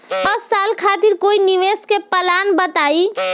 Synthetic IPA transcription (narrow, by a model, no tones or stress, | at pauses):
pəsːalkʰat̪iɾkoiniʋeskepəlanbət̪ai